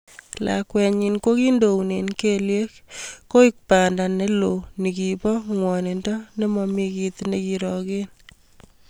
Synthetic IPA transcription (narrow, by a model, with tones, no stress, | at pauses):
la̰kwɛ˨ɲi˨nko˦ki˦ndo˨wne˨nkelje˦k̚ko˦ik̚pa˨nda˨ne˦lo˨ni˨kipɔ˦ŋwɔ˨ne˨ndɔ˦ne˦mɔ˨mi˧kit̪nekiɾɔ˨ke˦n